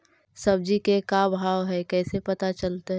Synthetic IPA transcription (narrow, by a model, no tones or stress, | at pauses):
sɐb̚d͡ʒikekabʱaːʋɦɛkɛːsepɐt̪at͡ʃɐlt̪eɦɛ